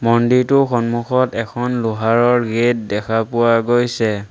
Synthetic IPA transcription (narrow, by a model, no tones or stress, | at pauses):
mɔndiɹtʊxɔnmuxɔtɛkʰɔnlʊɦaɹɔɹɡet̚dɛkʰapʊwaɡojsɛ